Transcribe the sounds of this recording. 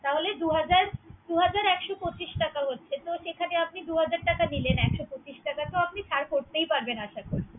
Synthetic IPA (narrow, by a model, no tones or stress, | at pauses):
t̪aɦoled̪uɦad͡ʑaɾd̪uɦad͡ʑaɾɛkʃopot͡ɕiʃʈakaɦotːɕʰet̪oʃekʰaneap̚nid̪uɦad͡ʑaɾʈakanilenɛkʃopot͡ɕiʃʈakat̪oap̚nit͡ɕʰaɾkoɾt̪ejpaɾbenaʃakoɾ